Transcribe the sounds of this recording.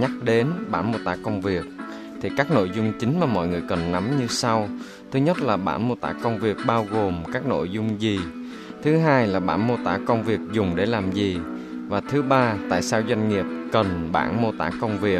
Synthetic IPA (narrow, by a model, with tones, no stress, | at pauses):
ɲa˦˥k̚ɗe˨˦nɓa̰ː˧˩nmo˧t̪aː˧˩kə˧wŋ͡mvi˨˩ək̚ | t̪ʰi˨˩kaː˦˥k̚no̰˧˨jzʊ˧ŋ͡mt͡ɕï˨˦ŋ̟maː˨˩mɔ̰˧˨jŋɨ˨˩əjkə˨˩nːa˨˦mɲɨ˧sa˧w | t̪ʰɨ˨˦ɲə˦˥t̚laː˨˩ɓa̰ː˧˩nmo˧t̪a̰ː˧˩kə˧wŋ͡mvi˨˩ək̚ɓaː˧wɣo˨˩mkaː˦˥k̚no̰˧˨jzʊ˧ŋ͡mzi˨˩ | t̪ʰɨ˨˦ɦaː˧jlaː˨˩ɓa̰ː˧˩nmo˧t̪aː˧˩kə˧wŋ͡mvi˨˩ək̚zʊ˨˩ŋ͡mɗe˧˩laː˨˩mzi˨˩ | vaː˨˩t̪ʰɨ˨˦ɓaː˧t̪a̰ː˧˨jsaː˧wzwa˧jŋ̟ŋi˨˩əp̚kə˨˩nɓa̰ː˧˩nmo˧t̪aː˧˩kə˧wŋ͡mvi˨˩ə